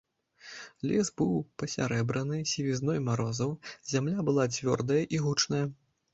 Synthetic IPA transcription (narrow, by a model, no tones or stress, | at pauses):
lʲɛsbɨwpɐsʲaɾɛbɾɐnɨsʲivʲiznɔjmaɾɔzɐwzʲamlʲabɨlˠad͡zʲvʲɔ̰rd̪ɐjɐʔiɣut͡ʂnɐjɐ